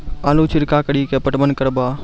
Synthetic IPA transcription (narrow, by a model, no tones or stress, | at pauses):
aːluːt͡ʃʰɪɾkaːkəɽikepəʈmənkəɾbaː